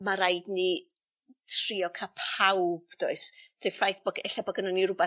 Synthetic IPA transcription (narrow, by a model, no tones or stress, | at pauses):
maɾajdni | tʰriːɔkʰapʰawb̥d̥oɨsd̥ʰefajθb̥ɔɡɛɬabɔɡənəniɾʊba